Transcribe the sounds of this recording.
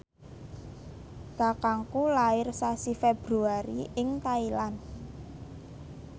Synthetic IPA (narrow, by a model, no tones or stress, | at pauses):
t̪a̤kaŋkulaɪrsasifeb̥ɾuaɾḭʔɪŋt̪ailan